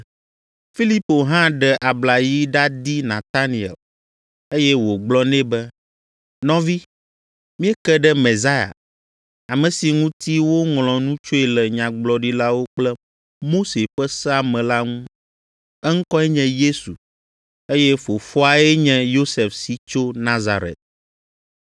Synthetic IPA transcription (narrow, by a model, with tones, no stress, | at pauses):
fi˦li˦po˨ɦã˦ɖɛ˨ʔa˨bla˨ji˦ɖa˦d̪i˦nã˨t̪a˦nĩ˨ɛ̰˨l | e˦jɛ˦wo˨ɡ͡blɔ˦nɛ̃˦bɛ˦ | nɔ̃˦vi˦ | mĩ˦ɛ˦kɛ˦ɖɛ˦mẽ˨za˦ja̰˨ | a˨mɛ̃˨si˨ŋũ˦t̪i˦wo˦ŋlɔ̃˨nũ˦t͡ʃo˦ɛ˨lɛ˨ɲã˨ɡ͡blɔ˨ɖi˦la˦wo˦k͡plɛ˦ | mo˦se˨ɸɛ˦sɛ˦a˨mɛ̃˨la˦ŋũ˦ | ɛ˦ŋ̩˦kɔ˦ɛ˦ɲɛ̃˨je˦su˨ | e˦jɛ˦fo˨fɔ˦a˦ɛ˦ɲɛ̃˨jo˦sɛ˨fsi˨t͡ʃo˦nã˦za˨ɾɛ̰˨t̪̚